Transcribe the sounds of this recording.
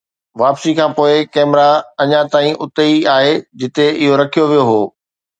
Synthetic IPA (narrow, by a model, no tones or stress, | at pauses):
ʋaːpsikʰãːpoːɪkɛːmɪɾaɐɲãt̪aːĩʔʊt̪eiaːɦed͡ʑɪt̪eɪɦoɾɐkʰijoʋijoɦoː